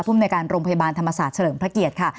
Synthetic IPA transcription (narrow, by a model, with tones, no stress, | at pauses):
pʰuː˥˩mnː˧jkaː˧nɾoː˧ŋpʰja˧baː˧nt̪ʰa˧mːa˧saː˨˩t̪̚t͡ɕʰa˧lɤː˩˦mpʰɾa˦˥ki˨˩ət̪̚kʰa˥˩